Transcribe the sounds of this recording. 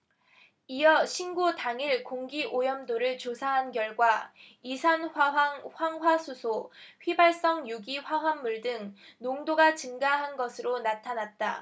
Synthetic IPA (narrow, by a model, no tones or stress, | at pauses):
ijʌɕʰinɡutaŋiɭkoŋɡiʔojʌmdoɾɯɭt͡ɕosʰaɦanɡjʌɭɡwaisʰanɸaɦaŋɸwaŋɦwasʰusʰoɸibaɭs͈ʌŋjuɡiɸwaɦwanːuɭdɯŋnoŋdoɡat͡ɕɯŋɡaɦanɡʌsʰɯɾonatʰanat̚t͈a